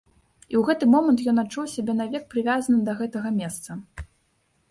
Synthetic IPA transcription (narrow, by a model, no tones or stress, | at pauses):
iwɣɛt̪ɨmɔmɐnt̪jɔnat͡ʂːuwsʲabʲɛnɐvʲɛk̚pɾɨvʲazɐnɨd̪ɐɣɛt̪ɐɣɐmʲɛst̪sɐ